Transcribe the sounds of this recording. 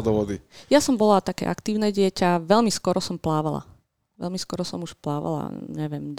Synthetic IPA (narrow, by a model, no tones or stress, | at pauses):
d̪ɔʋɔd̪ijasɔmbɔlat̪akɛ̰ʔakt̪iːʊnɛːɟɪɛcaʋɛʎmiskɔɾɔsɔmplaːʋala̰ | ʋɛ̰lmiskɔɾɔsɔmuʃplaːʋa̰la̰ɲɛʋɪɛm